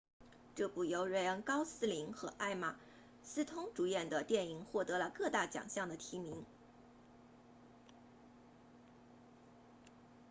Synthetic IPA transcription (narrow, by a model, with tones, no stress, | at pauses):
ʈ͡ʂɤ˥˧pu˨˩jo˧˥ʊɻə˧˥nkɑ˥ʊsɹ̩˥li˧˥ŋxɤ˧˥ʔa˥˩ɪma˨˩ | sɹ̩˥t̪ʰʊ˥ŋʈ͡ʂu˨˧˩jɛ˥˩nd̪ə˩t̪jɛ˥˩ni˨˩ŋxwɔ˥˩t̪ɤ˧˥lə˧kɤ˥˧t̪a˥˩t͡ɕjɑ̰˨˩ŋɕjɑ˥˩ŋd̪ə˩t̪ʰi˧˥mi˧˥ŋ